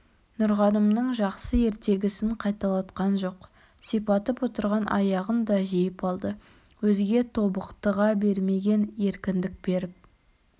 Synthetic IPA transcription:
nʊɾʁɑnəmnəɴʒɑqsəe̞ɾt̪e̞ɡʲɪsɪɴqʰɑjt̪ɑlˠɑt̪qɑnʒo̞q | sijpɑt̪əpwo̞t̪əɾʁɑnʔɑ̰jɑʁənd̪ɑʒijɪpɑlˠd̪ə | wɵzɡʲe̞t̪ʰo̞bəqt̪əʁɑbe̞ɾme̞ɡʲe̞ne̞ɾkʲɪnd̪ɪk̚be̞ɾɪp̚

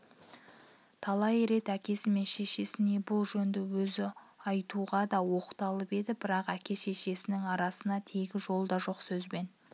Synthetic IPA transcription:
t̪ʰɑlˠɑjɾe̞t̪ækʲe̞sɪme̞nʃe̞ʃe̞sɪne̞bʊlˠʒɵnd̪ɪwɵzɪɑjt̪uʁɑd̪ɑwo̞qə̥t̪ɑlˠəpe̞d̪ɪbɪɾɑqækʲe̞ʃe̞ʃe̞sɪnɪŋɑɾɑsənɑt̪ʰe̞ɡʲɪʒo̞lˠd̪ɑʒo̞qsɵzbe̞n

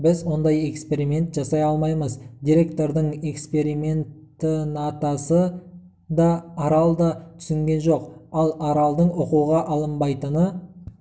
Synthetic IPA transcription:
bɪzwo̞nd̪ɑje̞kspe̞ɾimʲe̞nt̪ʒɑsɑjɑlˠmɑjməzd̪ʲijɾʲe̞kt̪o̞ɾd̪əɴe̞kspe̞ɾime̞nt̪ənɑt̪ɑsə | d̪ɑːɾɑlˠd̪ɑt̪ʰʏ̥sɪŋɡʲe̞nʒo̞qɑlˠɑɾɑlˠd̪əɴoquwʁɑʔɑlˠəmbɑjt̪ənə

